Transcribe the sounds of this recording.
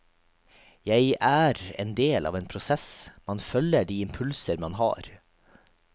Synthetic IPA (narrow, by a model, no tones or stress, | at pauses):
jæɪʔæːɾḛːnd̪eːlʔɑ̰ːʋeːnpʰɾʊsɛsmɑnfœləɖiːɪmpʰʉlsəɾmɑnhɑ̰ːɾ